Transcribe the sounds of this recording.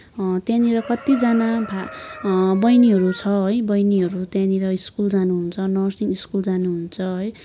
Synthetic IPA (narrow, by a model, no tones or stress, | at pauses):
t̪jãniɾʌkʌt̪id͡zanabʱa | bʌjniɦʌɾut͡sʰʌɦʌjbʌjniɦʌɾut̪jãniɾʌiskuld͡zanuɦunt͡sʰʌnʌsiniskuld͡zanuɦunt͡sʰʌɦʌj